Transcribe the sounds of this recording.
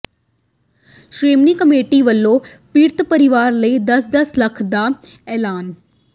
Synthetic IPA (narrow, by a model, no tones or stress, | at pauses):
ʃɾeːmniːkəmeːʈiːʋəlːõː | piːɾt̪pəɾɪʋaːɾləiːd̪əsd̪əsləkʰd̪aː | ɛːlaːn